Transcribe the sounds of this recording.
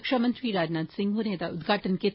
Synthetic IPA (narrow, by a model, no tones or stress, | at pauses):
kʃɐmɐnt̪ɾiɾaːd͡ʒnaːd̪sɪ̃ŋɡɦuneːt̪aʊd̪ɡʱaːʈənke